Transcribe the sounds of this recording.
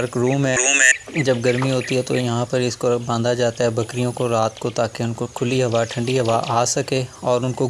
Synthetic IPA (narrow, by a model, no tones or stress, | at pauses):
ɐɾkɾuːmɦɛuːmɛd͡ʒɐb̚ɡɐɾmiɦoːt̪iɦɛt̪o̰jɐɦãpɐɾɪskobãːnd̪ad͡ʒaːt̪aɦɛbɐkɾijõkoɾaːt̪kot̪aːkeʊnkokʰʊliɦɐʋaʈʰɐ̃ɳɖiɦɐʋaʔaːsɐkeɔːɾʊnko